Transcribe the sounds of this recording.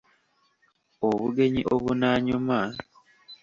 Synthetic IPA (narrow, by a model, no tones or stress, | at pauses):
oβuɡe̞ɲiʔo̰βunaːɲuma